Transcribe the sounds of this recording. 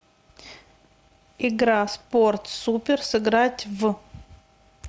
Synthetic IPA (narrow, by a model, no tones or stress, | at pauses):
ɪɡɾasport̪supʲɪrsɨɡɾatʲvɨ